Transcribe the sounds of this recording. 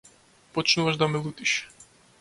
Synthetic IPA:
pɔt͡ʃnuvaʒd̪amɛlˠut̪iʃ

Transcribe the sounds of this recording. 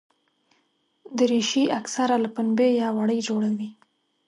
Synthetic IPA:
d̪əɾeʃiʔaksaɾalapʊnbejɑwaɽəjd͡ʒoɽawi

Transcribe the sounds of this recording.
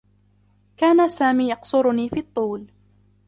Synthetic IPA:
kaːnasaːmiːjɑqsʊɾʊniːfiːt̪ˤːuːl

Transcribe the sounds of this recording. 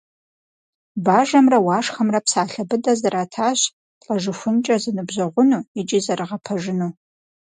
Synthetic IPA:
baːʒɐmrɐwaːʂxɐmrɐpsaːɬɐbɨdɐzɐɾaːtʰaːɕ | ɬʼɐʒɨxʷʊnt͡ʃʼɐzɨnɨbʑɐʁʷʊnuːɪt͡ʃʼizɐrɨʁɐpʰɐʒɪnuː

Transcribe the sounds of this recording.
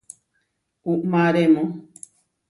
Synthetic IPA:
uʔmãɾemõ

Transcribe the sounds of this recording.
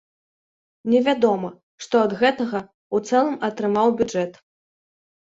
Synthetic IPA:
nʲɛvʲad̪ɔmɐ | ʂt̪ɔɐd̪ɣɛt̪ɐɣɐ | ut̪sɛlˠɐmɐt̪ɾɨmawbʲud͡ʐɛt̪

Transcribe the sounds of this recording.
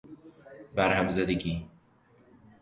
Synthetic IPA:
bæɾhæmzæd̪eɡiː

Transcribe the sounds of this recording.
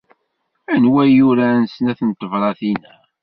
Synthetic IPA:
ænwæjuɾænsnæθənt̪ːəvɾˤɑθinæ

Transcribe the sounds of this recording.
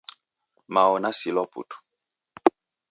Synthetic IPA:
maɔnasilɔpṵtu̥

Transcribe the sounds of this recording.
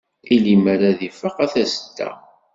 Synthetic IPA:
ilimæɾæðifəqæθæst̪ːæ̰

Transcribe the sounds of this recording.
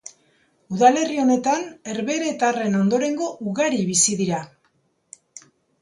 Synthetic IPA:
uðale̞rio̞ne̞t̪ane̞ɾβe̞ɾet̪are̞no̞nd̪o̞ɾe̞ŋɡo̞ʔuɣaɾiβisiðiɾa

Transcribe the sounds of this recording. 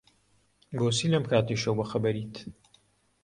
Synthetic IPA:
ɡoːsiːlɐmkʰaːt̪iʃɐwbɐxɐbɐɾiːt̪

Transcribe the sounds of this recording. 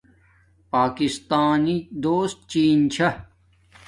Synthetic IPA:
paːkist̪aːnid̪oːst̪̚t͡ɕiːnt͡ɕʰɐ

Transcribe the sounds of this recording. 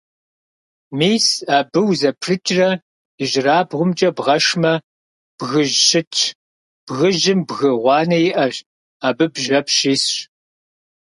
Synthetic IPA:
miːsaːbɨwzɐpʰrɨt͡ʃʼrɐ | ɪʒraːbʁʷʊmt͡ʃʼɐbʁɐʂmɐ | b̥ɣɨʒɕɪt͡ʃʰ | b̥ɣɨʒɪmbɣɨʁʷɑːnɐjɪʔɐʒ | aːbɨbʒɐpɕiːsɕ

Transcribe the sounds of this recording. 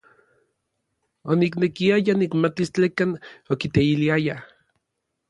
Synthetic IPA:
oniknekiajanikmat̪ist͡ɬekanokit̪eiliaja

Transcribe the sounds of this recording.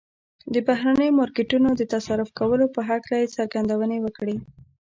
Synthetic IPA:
d̪əbaɦɾanəjomɑɾkɪʈunod̪ət̪asaɾʊfkawəlopəɦaklajesaɾɡand̪awənewəkɽi

